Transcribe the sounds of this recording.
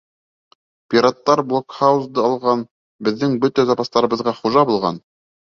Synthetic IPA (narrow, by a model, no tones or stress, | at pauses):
pʲiɾat̪ːɑɾblˠokχawzd̪ɤɑlˠʁɑn | bɘ̆ðːɘŋbɵt̪æzɑpɑst̪ɑɾɤ̆βɤ̆ðʁɑχuʒɑbulˠʁɑ̰n